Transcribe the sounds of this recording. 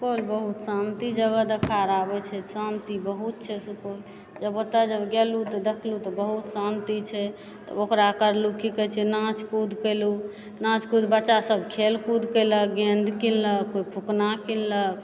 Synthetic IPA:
koɾbəɦut̪sant̪id͡ʒəɡəd̪ekʰaɾabɛt͡ʃʰɛt̪sant̪ibəɦut̪̚t͡ʃʰɛsupoɾ | d͡ʒəbot̪əd͡ʒəbɡɛlut̪ɔd̪ekʰlut̪ɔbəɦut̪sant̪it͡ʃʰɛ | t̪ə̰bokɾakəɾlukikət͡ʃʰɛnãt͡ʃkud̪ʱkəlu | nãt͡ʃkud̪bətːʃasəbkʰelkud̪ʱkələk̚ɡẽnd̪ʱkilləkːoipʰuknakilːək̚

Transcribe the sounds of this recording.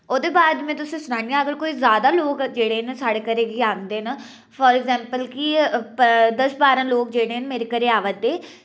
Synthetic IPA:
oːd̪eːbaːd̪mɛ̃ːt̪ʊsĩːsʊɽãːnijãːəɡəɾkoːiːzjaːd̪aːloːkd͡ʒeːɽeːnːsaːɽeːkəɾeːɡiːãːnd̪eːnaː | fʰɔːɾɛɡzɛ̃ːmpəlkɪpd̪əsbaːɾãːloːkd͡ʒeːɽeːnmeːɾeːkəɾeːaːʋət̪̚d̪eː

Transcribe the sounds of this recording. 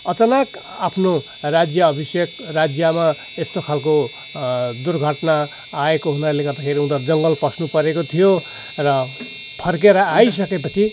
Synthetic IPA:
ʌt͡sʌnak | apʰno | rad͡zjʌːbʱisjekrad͡zjʌma | est̪okʰalko | d̪urɡʱʌʈnaː | ekoɦunalekʌrd̪akʰeɾiũnt̪ad͡zʌŋɡʌlpʌsnupʌɾekot̪ʰijo | rʌ | pʰʌrkeɾʌajs̬ʌkepʌt͡sʰi

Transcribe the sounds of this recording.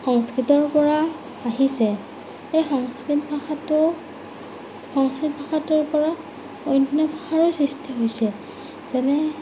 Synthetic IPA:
xɔŋskɹitɔɹpɔɹa | aɦisɛ | ejxɔŋskitbʱatɔ | xɔŋskɹit̚bʱaxatɔɹpɔɹa | ojnjɔbʱaxaɹɔsɹistʰiɦojsɛ | tɛnɛ

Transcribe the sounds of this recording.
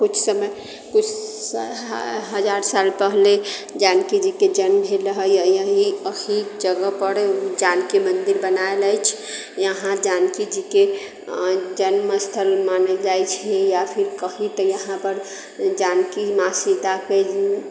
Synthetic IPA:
kut͡ʃʰsəməj | kut͡ʃʰ | ɦəd͡ʒaɾsalpəɦled͡ʒankid͡ʒiked͡ʒənmbʱeləɦəjəjəɦiəɦid͡ʒəɡəpəɾd͡ʒankimənd̪iɾbənaelajt͡ʃʰ | jəɦãd͡ʒankid͡ʒike | d͡ʒənməst̪ʰəlmanəd͡ʒajt͡ʃʰɛjapʰiɾkəɦit̪əjəɦãpəɾ | d͡ʒankimasid̪ake

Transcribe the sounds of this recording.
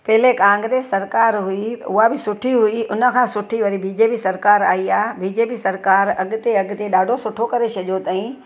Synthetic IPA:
pɐɦɪlekãːŋɡɾeːsːɐɾkaːɾɦʊiʊɦabɪsʊʈʰiɦuiʊnə̆kʰãːsʊʈʰiʋɐɾibiːd͡ʑeːpisɐɾkaːɾaːɦiaːbiːd͡ʑeːpisɐɾkaːɾɐɠʊt̪eɐɠt̪eɗaːɖʱosʊʈʰokɐɾet͡ʃʰɐʄot̪aːĩ

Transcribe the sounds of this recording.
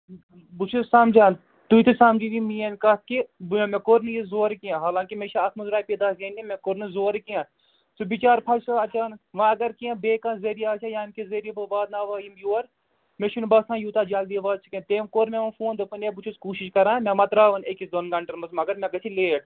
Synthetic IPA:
but͡ʃʰussaːmd͡ʒaːn | t̪uit̪ʰɨsaːmd͡ʒiʋimiːɐnkɐt̪̚kibmẽːkoɾnɨjizoːɾikijãːɦaːlãːŋkimeːʃaɐsmɐzɾaːjpid̪aːseːnimẽkoɾnɨzoːɾikijãː | subit͡ʃaːɾpʰɐt͡ʃɐɐt͡ʃaːnɐkʋãɐɡɐɾkiãbeːkãːnzeɾijaːt͡ʃʰajaːnkizeɾibɐʋaːd̪naːʋaːjimjuːɐɾ | meʃunbɐsãːjuːt̪aːd͡ʒaːld̪iʋaːd̪̚t͡ʃʰi̥kẽːt̪eːmkoːɾmẽʋɐfuːnd̪ɨpɨneːbut͡ʃʰuskuːʃiʃkɐɾãːmẽmɐt̪ɾaːʋɐnekisd̪onɡɐɳʈɐɾmɐsmɐɡɐɾmẽɡɐt͡ʃʰileːʈ

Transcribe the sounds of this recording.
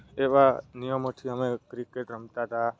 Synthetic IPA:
eʋanijəmot̪ʰiəmekɾikeʈɾəmt̪at̪a

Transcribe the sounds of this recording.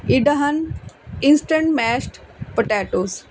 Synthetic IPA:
iɖɐɦɐninsʈə̃ɳʈmɛːsʈpəʈaːʈoːs

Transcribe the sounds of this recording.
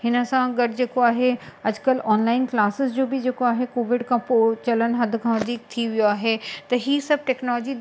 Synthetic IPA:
hɪnə̆sãɡɐɖɪd͡ʑeːkoaːɦeɐd͡ʑʊkəlɔːnlaːɪnklaːsɪsd͡ʑoːbɪd͡ʑeːkoaːɦekoːʋɪɖkʰãpoːt͡ɕɐlən̆ɦɐd̪ʱkʰãʋɐd̪ʱiːk̚t̪ʰiʋijoaːɦet̪ɐɦiːsɐb̚ʱʈɛːknɔːlːd͡ʑi

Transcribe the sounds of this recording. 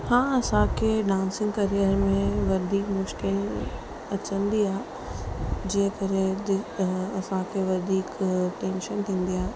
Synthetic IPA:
hãːɐsãkeɖãːnsɪ̃ŋɡkɐɾijəɾmẽʋɐd̪ʱiːkmʊʃkɪl | ɐt͡ʃə̃nd̪iaː | d͡ʒeɦkɐɾiəd̪ɐsãkʰeʋɐd̪ʱiːkʈẽːnʃənt̪ʰĩːnd̪iaː

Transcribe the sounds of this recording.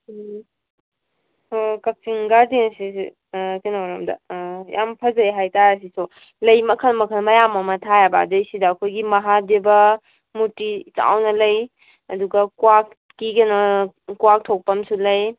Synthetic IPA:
kɐk̚sʰiŋɡadensis | kinaɾɐmdɐ̰jʔa̰mpʰɐzɐjɦajtaɾɐs̬iso | lɐjmɐkʰɐnmɐkʰənmɐjamɐmɐtʰajaba̰dɐjsidɐːkʰojɡimɐɦadebɐ | mutit͡ʃa̰wnɐlɐj | ɐduɡɐkwak | kikenɐ | kuwak̚tʰok̚pɐmsulɐj

